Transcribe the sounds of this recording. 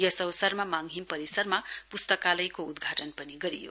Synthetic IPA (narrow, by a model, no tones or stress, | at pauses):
jʌsʌwsʌrmamaŋɦimpʌɾisʌrmapust̪ʌkalʌjkoud̪ɡʱaʈʌnpʌniɡʌɾijo̰